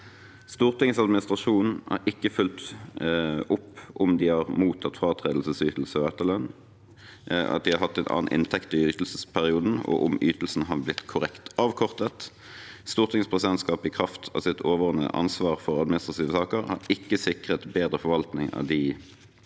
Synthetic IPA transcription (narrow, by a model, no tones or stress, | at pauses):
st̪uːʁt̪ɪŋsɑd̪mɪnɪst̪ʁɑʃuːnn̩æ̰ɾʔɪkːəfʉlt̪ | ʊpːʊmd̪ɪhɑʁmuːt̪ʰɑt̪ːfʁɑːt̪ʰʁeːd̪l̩səsyːt̪l̩səɔɛt̪ːəlœn | ɑ̰t̪̚d̪ɪhɑɾɦɑt̪ːɛɪnʔɑ̰ːnʔɪ̰nt̪ʰɛkt̪ɪyːt̪l̩səspʰæʁɪuːd̪n̩ɔ̰ʔʊmyːt̪l̩sn̩ɦɑblɪt̪kʰʊʁɛkt̪ɑːʋkʰɔʁt̪ət̪ | st̪uːʁt̪ʰɪŋspʰʁɛsɪd̪ɛnt̪skɑːpɪkʰʁɑft̪ʰɑ̰ʋsɪt̪ʰoːʋɔʁnə̰ʔɑ̰nsʋɑːʁfɔʁɑd̪mɪnɪst̪ʁɑt̪ʰiːʋəsɑːkəʁhɑ̰ʁɪkːəsɪkʁət̪beːd̪ʁəfɔʋɑlt̪nɪŋɑ̰ʋd̪ɪ